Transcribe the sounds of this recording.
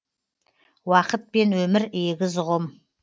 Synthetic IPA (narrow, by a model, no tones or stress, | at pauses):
wɑqət̪̚pe̞nwɵmɪɾeɡʲɪzʁʊm